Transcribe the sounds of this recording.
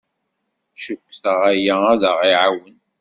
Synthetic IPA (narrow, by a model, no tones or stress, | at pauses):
ʃəkːθəʁæjææðəʁiʕawən